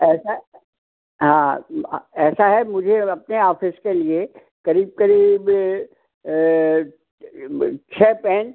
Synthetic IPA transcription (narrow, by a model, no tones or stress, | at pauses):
ɛːsa | ɦãː | ɛːsaɦɛmʊd͡ʒʱeɐp̚neaːfɪskelie | kɐɾiːb̚kɐɾiːb | t͡ʃʰɛːpɛ̃ːn